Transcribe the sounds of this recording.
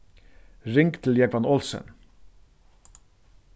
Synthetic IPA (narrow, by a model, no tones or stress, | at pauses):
ɾɪŋkt̪ʰl̩jɛɡʋɑnɔlsə̰n